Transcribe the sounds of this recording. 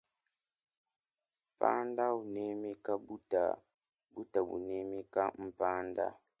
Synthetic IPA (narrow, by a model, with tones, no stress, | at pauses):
pa̰˦nda˦u˨ne˦mi˦ka˦bu˦ta̰˨bu˦ta˨bṵ˨ne˦mi˦ka˦m̩˨pa˦nda̰˦